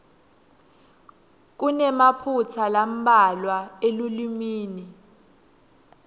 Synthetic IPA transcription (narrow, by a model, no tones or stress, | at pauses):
k̬unɛmapʰut͡sʰalam̩ɓalwaelulimiːni